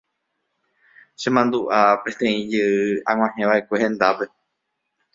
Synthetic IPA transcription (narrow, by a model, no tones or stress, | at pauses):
ʃẽmãnd̪uʔapẽ̞nt̪ẽ̞ĩd͡ʒɨɨãŋ̃ʷãhẽʋaʔekʷe̞hẽnd̪ape̞